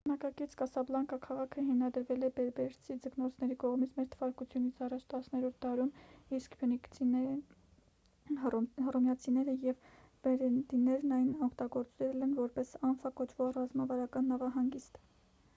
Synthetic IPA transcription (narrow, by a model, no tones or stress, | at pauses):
bənɑkɑkit͡sʰkɑsɑblɑŋkɑkʰɑʁɑkʰəɦimnɑd̪əɾvɛlɛbɛɾbɛɾt͡sʰid͡zəknɔt͡sʰnɛɾikɔʁmit͡sʰmɛɾt̪ʰəvɑɾkut͡sʰjunit͡sʰɑrɑt͡ʃʰt̪ɑsnɛɾɔɾt̪ʰd̪ɑɾumiskpɔnikʰinɛ | hrɔmjɑt͡sʰinɛɾəjɛv | bɛɾɛd̪inɛɾnɑjnɔkʰt̪ɑɡɔɾt͡sɾɛlɛnvɔɾpɛsɑnfɑkɔt͡ʃʰvɔʁrɑzmɑvɑɾɑkɑnːɑvɑɦɑŋɡist̪